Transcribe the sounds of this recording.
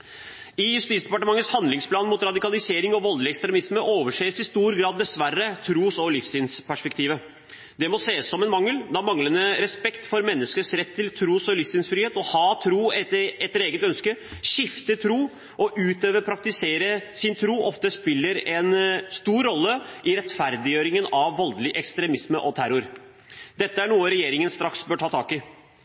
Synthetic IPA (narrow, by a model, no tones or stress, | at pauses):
ɪjʉst̪iːsd̪ɛpɑʈəmɑŋːət̪shɑnd̪lɪŋspʰlɑːnmʊt̪ɾɑd̪ɪkɑlɪseːɾɪŋɔʋɔllɪɛkst̪ɾɛmɪsməʔoːʋəʂeːsɪst̪uːɾɡɾɑːd̪ːɛsʋærːət̪ʰɾuːsɔlɪfsɪnspʰæʂpɛk̚t̪iːʋə | d̪ɛmɔseːəsːɔmɛnmɑŋːəld̪ɑmɑŋlənəɾɛspɛkt̪fɔɾmɛnːəskəsɾɛt̪ʰːɪlt̪ʰɾuːsɔlɪfsɪnsfɾiːeːt̪ɔhɑːt̪ʰɾuːɛɛt̪ɾeːɡət̪œnskəʃɪft̪ət̪ʰɾuː | ʔɔʔʉːt̪øːʋəpʰɾɑk̚t̪ɪseːɾəsɪnt̪ʰɾuːʔɔft̪əspɪlːəɾɛnst̪uːɾːɔlːəʔɪɾɛt̪fæɾd̪ɪjøːɾɪŋənɑʋːɔld̪lɪʔɛkst̪ɾɛmɪsməʔɔt̪ʰæɾʊɾ | d̪ɛt̪ːəæɳuːəɾɛjeːɾɪŋənst̪ɾɑksbøːʈʰɑːt̪ʰɑːkɪ